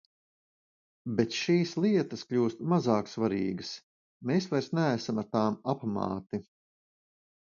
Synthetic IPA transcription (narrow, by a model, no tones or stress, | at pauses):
bet̪ʃiːslˠiɛt̪ɐskʎʲuːst̪mazaːksvaɾḭːɡəs | meːsvajɾsnæːsamaɾt̪aːmapmɑ̰ːt̪i